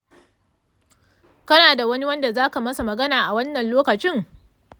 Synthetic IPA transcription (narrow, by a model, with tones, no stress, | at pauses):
kɐ˦naː˨da˨wɐ˦ni˦wɐ˦nda˨zaː˦ka˨mɐ˦sa˨mɐ˨ɡɐ˦naː˨ʔa˨wɐ˦nːɐ˨nloː˦kɐ˨t͡ʃɪ˦ŋ